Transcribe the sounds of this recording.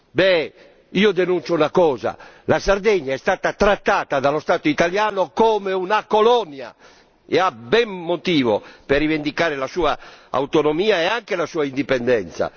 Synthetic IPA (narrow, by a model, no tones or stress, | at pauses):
bɛ | iːod̪enunt͡ʃounakɔːza̰lasard̪ɛɲːaɛst̪aːt̪at̪ɾat̪ːaːt̪ad̪alost̪aːt̪oit̪aljaːnokoːmeunakolɔnja̰ | ɛabɛmːot̪iːvopɛrːivend̪ikaːɾelasuːaa̰wt̪onomiːaɛaŋkelasuːaind̪ipɛnd̪ɛnt̪sa̰